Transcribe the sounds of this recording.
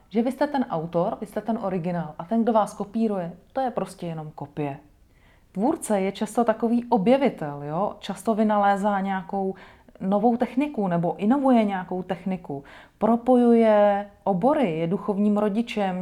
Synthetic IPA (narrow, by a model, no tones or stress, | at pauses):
ʒɛvɪst̪ɛt̪ɛnʔawt̪o̞ɾvɪst̪ɛt̪ɛnʔo̞ɾɪɡɪnaːlʔat̪ɛnɡdovaːsko̞piːɾujɛt̪o̞jɛpɾo̞scɛjɛno̞mko̞pɪjɛ | t̪vuːɾt͡sɛjɛt͡ʃast̪o̞t̪ako̞viːʔo̞bjɛvɪt̪ɛljo̞t͡ʃast̪o̞vɪnalɛːzaːɲɛako̞w | no̞vo̞wt̪ɛxnɪkunɛbo̞ʔɪno̞vujɛɲɛako̞wt̪ɛxnɪkupɾo̞po̞jujɛʔobo̞ɾɪjɛduxo̞vɲiːmɾo̞ɟɪt͡ʃɛm